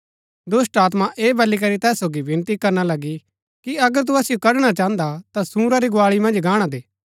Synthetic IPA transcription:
d̪ʊsʈaːt̪̬maʔeːbʱɐlːik̬ɐɾit̪ɛːsːoːɡibɪ̃nt̪ikɐɾnalɐɡi | kiɐɡəɾt̪̬uɐsijokɐɽɽ̃at͡ʃãːə̃nd̪at̪asũːɾaɾiɡʊaːɭimɐ̃nd͡ʒɡaːɽ̃ad̪eː

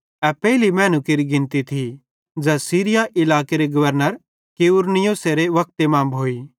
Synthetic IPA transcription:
ɛpɛːɦɪlimɛ̃ːnukɪɾiɡɪ̃nt̪it̪ʰi | d͡ʒɛːsiːɾɪjaʔɪlaːkeɾeɡɐʋəɾnəɾ | keʊɾnɪjoːseɾeʋɐk̚t̪emãːmbʱɦoːiː

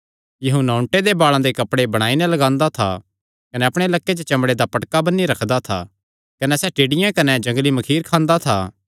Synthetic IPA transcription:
jɐɦũnɔʊ̃ɳʈed̪ebaːɭãd̪ekɐpɽebɐɽ̃aːinɛlɐɡãːnd̪at̪ʰa̰ | kɐnɛɐpɽ̃elɐkːet͡ʃət͡ʃɐmɽed̪apɐʈkabɐnːiɾɐkʰd̪at̪ʰa̰ | kɐnɛsɛʈeːɽɪjãkɐnɛd͡ʒɐ̃ŋɡlimɐkʰiːɾkʰãːnd̪at̪ʰa̰ː

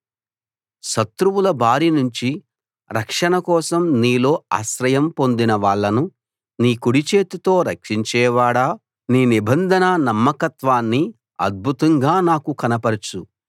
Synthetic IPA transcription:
ʃɐt̪ɾuʋulɐbʱaːɾinuɲt͡ʃi | ɾɐkʂɐɳɐkɔːsɐmniːlo̞ːa̰ːʃɾɐjɐmpo̞nd̪inɐʋaːɭːɐnu | niːkuɽit͡ʃeːt̪ut̪o̞ːɾɐkʂiɲt͡ʃɛːʋaːɽaː | niːnibɐnd̪ʱɐnɐnɐmːɐkɐt̪ʋaːnːi | ɐ̰d̪̚bʱut̪ɐŋɡaːnaːkukɐnɐpɐɾt͡ʃu

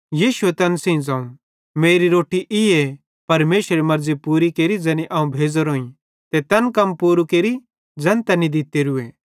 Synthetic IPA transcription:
jiːʃuet̪ɐnsĩd͡zãːũ | meːɾiɾoːʈiʔɪe | pɐɾmeːʃɾemɐɾd͡zipuːɾikeːɾid͡zɐniʔãːũbʱeːd͡zoɾoːĩ | t̪et̪ɐnkɐmpuːɾukeːɾi | d͡zɐ̃nt̪anid̪ɪt̪eɾʊe

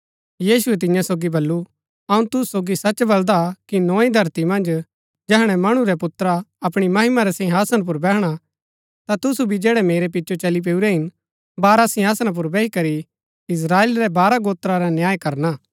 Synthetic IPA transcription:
jiːsuɛt̪̬ɪ̃jãsoːɡibɐlːu | ɐũt̪ʊsoːɡisɐt͡ʃbɐld̪akinɔ̃ːĩd̪ʱɐɾt̪imɐ̃nd͡ʒ | d͡ʒɛɦɽ̃ɛmɐɽ̃uɾɛpʊt̪ɾaɐpɽ̃imɐɦɪmaɾɛsɪ̃ɦaːsənp̬ʊɾbɛːɦɽ̃a | t̪at̪ʊsubʱid͡ʒɛːɽɛmeːɾɛpɪtːʃot͡ʃɐlip̬eːuɾɛɦɪn | baːɾasɪ̃ɦaːsñãp̬ʊɾbɛːɦikɐɾi | ɪs̬ɾaːeːlɾɛbaːɾaɡoːt̪ɾaɾanjaːjkɐɾnaː

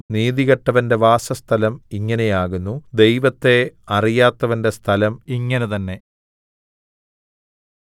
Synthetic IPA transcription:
niːðiɣɐʈːɐʋɐnde̞ʋaːsɐst̪ʰɐlɐmiŋːɐne̞jaːɣunːud̪e̞jʋɐt̪ːe̞ɐrijaːt̪ːɐʋɐnde̞st̪ʰɐlɐmiŋːɐnet̪ɐnːe̞

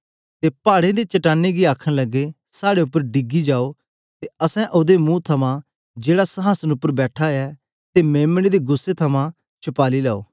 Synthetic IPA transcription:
t̪epaːɽed̪et͡ʃɐʈaːnːeɡiaːkʰə̃nlɐɡe | saːɽeʊpːəɾɖɪɡid͡ʒaːo | t̪eɐsɛ̃ʔʊd̪emũːt̪ʰɐmã | d͡ʒeːɽasɐɦaːsənʊpːəɾbɛːʈʰaɛː | t̪emẽːmɽ̃ed̪eɡʊsːet̪ʰɐmãː | t͡ʃʰʊpaːlila̰ːo̰ː

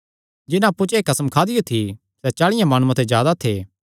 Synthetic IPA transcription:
d͡ʒɪnãɐpːut͡ʃeːkɐsəmkʰaːd̪ɪjot̪ʰi | sɛt͡ʃaːɭɪ̃jãmaːɽ̃ũãt̪ʰezjaːd̪at̪ʰeː

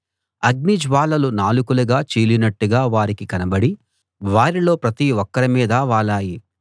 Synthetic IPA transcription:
ɐɡ̚nid͡ʒʋaːlɐlunaːlukuluɡaːt͡ʃiːlinɐʈːuɡaːʋaːɾikikɐnɐbɐɽi | ʋaːɾilo̞ːpɾɐt̪iɔkːɐɾɐmiːd̪ɐʋaːlaːji

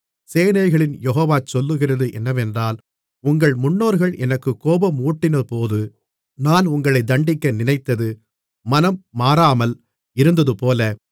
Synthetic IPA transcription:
seːnɐɪɣɐɭɪnjɛɦoːʋaːt͡ʃɔlːɯɣɪrɐðɯʔɛnːɐʋɛndraːl | ʊŋɡɐɭmʊnːoːɾɣɐɭʔɛnɐkːɯkːoːbɐmuːʈːɪnɐpoːðɯ | naːnʊŋɡɐɭɐɪd̪ɐɳɖɪkːɐnɪnɐɪt̪ːɐðɯ | mɐnɐmːaːɾaːmɐl | ɪɾɯnd̪ɐðɯpoːlɐ

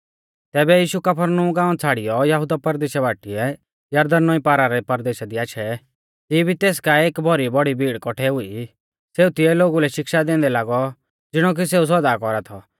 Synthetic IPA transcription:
t̪ɛːbɛjiːʃukɐpʰəɾnuɡãːɔ̃t͡sʰaːɽɪjɔjɐɦʊd̪apɐɾd̪eːʃɛbaːʈiɛ | jɐɾd̪ɐnːɔipaːɾaɾɛpɐɾd̪eːʃad̪iaːʃʰɛ | t̪ibʱit̪eːs̬kaeːkbʱɔɾibɔɽibʱiːɽkɔʈʰɛɦʊi | seːut̪ɪɛloːɡulɛʃɪkʃad̪ɛ̃ːnd̪ɛlaːɡɔ | d͡zɪɽ̃ɔk̬is̬eːus̬ɔd̪aːkɔɾat̪ʰɔ

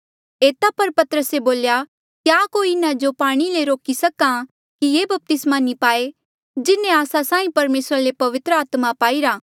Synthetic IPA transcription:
eːt̪apɐɾpɐt̪əɾəseboːlja | kjaːkoːiɪnãd͡ʒopaːɽ̃ileɾoːkisɐkã | kijeːbɐp̚t̪ɪsmanipaːe | d͡ʒɪnẽaːsasãːĩpɐɾmeːsɾalepɐʋɪt̪ɾəaːt̪mapaːiɾaː

